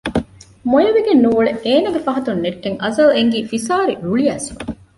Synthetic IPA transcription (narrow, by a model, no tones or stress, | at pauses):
mojɐʋeɡenːuʋuɭeeːnɐɡefɐɦɐt̪unːeʈːeŋʔɐzɐleŋɡiːfisaːɾiɾuɭiæːsɐ